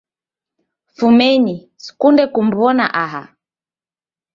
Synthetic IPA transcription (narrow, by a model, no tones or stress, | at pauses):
fumɛɲi | si̥kundɛkum̩βɔna̰ʔaɦa̰